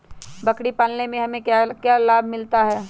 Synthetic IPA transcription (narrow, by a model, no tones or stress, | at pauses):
bɐkɽipaːlnemẽɦɐmẽakjaːlaːbʱmɪlt̪aɦɛː